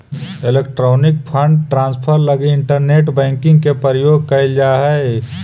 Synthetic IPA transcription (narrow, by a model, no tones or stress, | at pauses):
ɪleːkʈɾoːnɪk̚pʰə̃ɳɖʈɾãːnspʰəɾləɡeɪɳʈəɾneːʈbɛ̃ːŋkɪ̃ŋɡkepəɾəjoːɡ̚kɐɪld͡ʒaːɦɛe